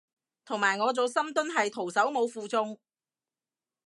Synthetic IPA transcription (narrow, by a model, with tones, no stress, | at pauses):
t̪ʰʊ˨˩ŋmaː˨˩jŋɔː˨˧t͡so˨˧wsɐ˥mt̪ɵ˥nɦɐ˨jt̪ʰo˨˩wsɐ˨˥wmo˨˧wfuː˨˧t͡sʊ˧ŋ